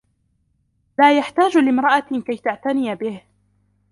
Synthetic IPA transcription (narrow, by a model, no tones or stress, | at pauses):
laːjaħt̪aːd͡ʒlɪmɾˤɑʔakajt̪aʕt̪anɪjbɪh